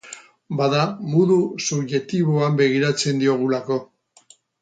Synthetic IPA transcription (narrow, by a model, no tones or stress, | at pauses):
baðamuðusuβʝe̞t̪iβoambe̞ɣ̞iɾat͡se̞nd̪io̞ɣ̞ulako̞